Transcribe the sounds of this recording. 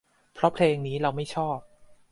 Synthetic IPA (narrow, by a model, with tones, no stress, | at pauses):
pʰɾɔ˦˥pʰleː˧ŋniː˦˥ɾa˧wma˥˩jt͡ɕʰɔː˥˩p̚